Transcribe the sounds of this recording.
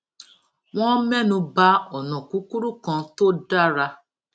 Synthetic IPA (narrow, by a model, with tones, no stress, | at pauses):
w̃ɔ̃˦mɛ˦nũ˦ba˦ɔ˨nɔ̃˨ku˦ku˦ɾu˦kɔ̃˦to˦da˦ɾa˧